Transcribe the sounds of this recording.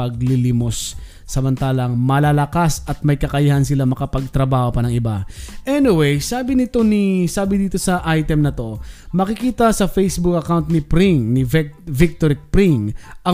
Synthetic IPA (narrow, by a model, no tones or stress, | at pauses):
ɐɡ̚lilɪmo̞sː | ɐmɐnt̪aːlɐŋmɐlaːlɐkasɐt̪̚mɐjkɐkɐjɐhansɪlamɐkɐpɐɡ̚t̪ɾɐbaːho̞pɐnɐŋɪbaʔɛnɪwejsaːbɪnɪt̪o̞nisaːbɪd̪iːt̪o̞sɐʔajt̪ɛmnɐt̪o̞mɐkɪkiːt̪ɐsɐfejsbuk̚ɐkawnt̪̚nɪpɾiŋnɪvvɪk̚t̪oɾɪk̚pɾiŋʔɐ